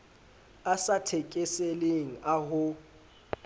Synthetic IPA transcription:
asatʰekʼɪseleŋ̩aɦʊ

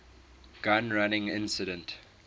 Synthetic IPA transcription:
ɡ̥ãnɹanɪ̃ŋɪ̰̃nsɪdə̃nt

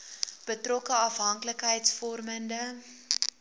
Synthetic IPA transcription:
b̥ətrɔkəɐfɦɐŋkləkɦəjtsfɔrməndə

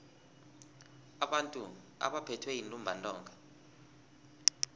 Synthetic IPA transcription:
aɓantʼu | a̰ɓapʰɛtʰwɛjintʼumbʱantʼɔːŋɡʱa

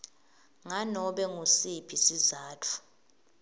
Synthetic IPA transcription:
ŋanɔɓɛŋusipʰisizaːtʰu̥

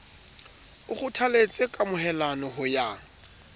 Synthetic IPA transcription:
ʊχʊtʰalet͡sʼɪkʼamʊɦɛlanɔhʊja

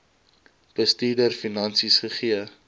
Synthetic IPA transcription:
b̥əstiːdərfinɐnsisχəχiə

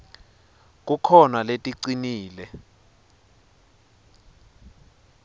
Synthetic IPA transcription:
k̬ʼukʰɔnaletʼiǀiniːlɛ

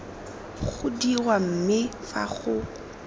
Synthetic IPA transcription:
χʊdirwam̩mɪfa̰χʊ

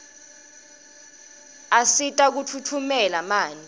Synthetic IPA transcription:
asitʼak̬utʰutʰumɛlamaːni

